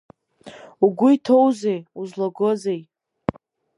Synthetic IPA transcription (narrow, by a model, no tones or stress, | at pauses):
uɡʷʊitʰo̞wzejuzlaɡozej